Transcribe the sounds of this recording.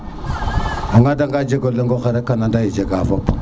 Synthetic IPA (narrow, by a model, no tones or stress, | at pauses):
aŋɡadaŋɡad͡ʒeɡoləŋɡoxeɾekanandajid͡ʒeɡafop